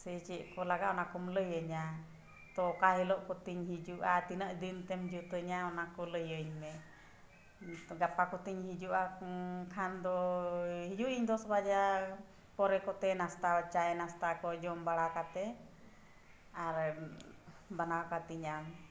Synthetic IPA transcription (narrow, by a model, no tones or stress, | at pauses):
sɛt͡ʃɛʔkɔlaɡaʔɔnakɔmləjəɲa | t̪ɔkaɦilɔʔkɔt̪iɲɦid͡ʒuʔat̪inəʔd̪int̪ɛmd͡ʒut̪əɲaɔnakɔləjəɲmɛ | ɡapakɔt̪iɲhid͡ʒuʔakʰand̪ɔhid͡ʒuʔiɲd̪ɔsbad͡ʒa | pɔɾɛkɔt̪ɛnast̪at͡ʃajɛnast̪akɔd͡ʒɔmbaɽakat̪ɛ | aɾ | banawkat̪iɲam